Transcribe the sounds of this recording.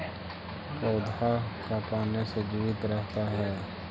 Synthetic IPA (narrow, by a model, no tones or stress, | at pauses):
kɔːd̪ʱakapaːnesed͡ʒiʋɪt̪ɾɛɦt̪aɦɛː